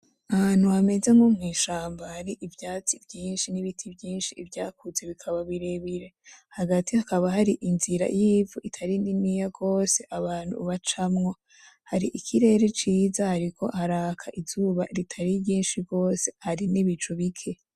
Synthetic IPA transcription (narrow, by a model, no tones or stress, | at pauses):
aan̥huhame̞zeŋɡomŋiːʃaːmbahaɾiʔivjaːt͡sibjiːnʃiniβitʰibjiːnʃiːvjaːkuze̞βikʰaβaβiɾe̞βiɾe̞haɡatihakaβaɦaɾiʔinziɾa̰jiːvuʔitʰaɾininijaɡo̞ːse̞ʔaβaːn̥ṵβat͡ʃamŋo̞ | haɾiʔikʰiɾe̞ːɾe̞t͡ʃiːzahaɾikʰo̞haɾaːkʰaʔizuːβa̰ɾitʰaɾiɡiːnʃiɡo̞ːse̞̥haɾiniβit͡ʃoβikʰe̞